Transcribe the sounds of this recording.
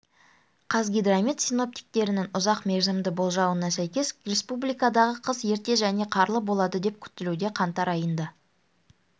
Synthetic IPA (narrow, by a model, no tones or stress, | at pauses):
qʰɑzɡʲijd̪ramit̪sijno̞p̚t̪i̥k̚t̪e̞ɾɪnɪŋʊzɑqme̞ɾzɪmd̪ɪbo̞lˠʒɑwənɑsæjkʲe̞srʲe̞spublijkɑd̪ɑʁəqʰəzje̞ɾt̪e̞ʒæne̞qʰɑɾlˠəbo̞lˠɑd̪əd̪e̞p̚kʲʰʏ̥t̪ːɪlud̪e̞qʰɑnt̪ɑɾɑjənd̪ə